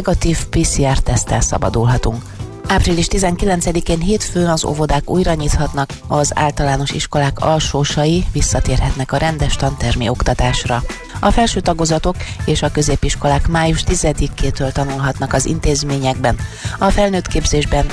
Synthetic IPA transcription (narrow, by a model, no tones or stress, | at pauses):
ɡɒt̪iːfpiːsiaːrt̪ɛst̪ɛ̰lsɒ̰bɒ̰d̪ulɦɒt̪uŋk | aːpriliʃt̪izɛŋkilɛnt̪sɛd̪ikeːnɦeːt̪føːnɒzo̰vo̞d̪aːkṵːjrɒɲiːt̪hɒt̪nɒkɒza̰ːlt̪ɒlaːno̞ʃiʃko̞laːkɒ̰lʃoːʃɒjivisːɒt̪eːrɦɛt̪nɛkɒɾɛnd̪ɛʃt̪ɒnt̪ɛrmḭo̞kt̪ɒt̪aːʃrɒ | ɒfɛlʃøːt̪ɒɡo̞zɒt̪o̞keːʃɒkø̞zeːpiʃko̞laːkmaːjuʃt̪izɛd̪ikːeːt̪øːlt̪ɒnulɦɒt̪nɒkɒzḭnt̪eːzmeːɲɛɡ̚bɛnɒfɛlnøːt̪keːbzeːʒbɛn